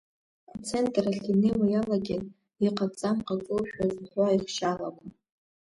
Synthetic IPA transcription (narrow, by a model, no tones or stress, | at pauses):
at͡sʰe̞ntʼraɬinewajalaɡʲɪ | iqʼapt͡sʼamqʼakʼɨwʃᶣazχʷaiχʃalakʷʼa